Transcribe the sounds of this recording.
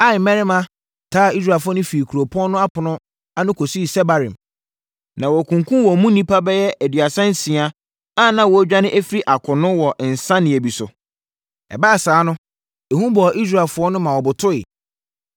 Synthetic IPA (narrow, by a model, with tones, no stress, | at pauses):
a˦˨mɛ̃˦ɾɪ˦mã˦ | tʰaː˦˨i˦s̬ɾa˨fʊ˦ɔ˦nʊ̃˦fi˨e˨kʰu˨ɾo˨pʰɔ̃˦nʊ̃˦a˦pʰʊ˨nʊ̃˦ | a˦nʊ̃˦kʰo˨su˦i˨sɛ˦ba˨ɾḭ̃˨m | nã˨wɔ˨kʰũ˨ŋkʰũ˦wɔ˨mũ˦nĩ˦pʰa˦bɛ˦jɛ˦æ˨dɥa˨sã˦n̩˦sĩ˨a˦ | a˦˨nã˨wɔ˨˦d͡ʑᶣa˦nɪ̃˦ʔæ˦fi˦ɾi˦ʔa˨kʰʊ˨nʊ̃˦wɔ˨ʔn̩˨sã˦nɪ̃˨æ˨bi˨sʊ̰˨ | ɛ̰˨ba˦a˨saː˨˦nʊ̃˦ | e˨hũ˦bɔ˨ʔi˦s̬ɾa˨lfʊ˦ɔ˦nʊ̃˦mã˨wɔ˨bʊ˨tʰʊ˦ɪ̰˨